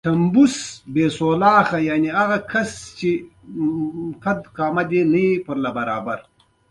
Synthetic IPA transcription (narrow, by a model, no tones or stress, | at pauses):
t̪ɐmbusbeːsoːlɑːxɐjaːniaɣɐkʰɐst͡ʃe | tʰɐd̪kaːmɐd̪enɐipəɾlɐbɐɾaːbɐɾ